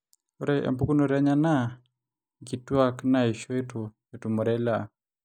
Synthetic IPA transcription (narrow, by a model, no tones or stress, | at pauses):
oɾɛʔɛ̰mbukunoɾaɲana | ɡitwaknaiʃoetu | etumɔɾɛla